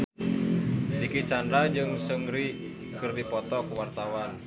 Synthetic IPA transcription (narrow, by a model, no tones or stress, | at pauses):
dikit͡ʃandad͡ʒɨŋsəŋɾi | kərdipɔt̪ɔkwart̪awan